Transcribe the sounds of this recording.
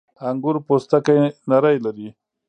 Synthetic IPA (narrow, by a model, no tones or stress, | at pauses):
aŋɡʊɾpost̪akajnaɾajlaɾi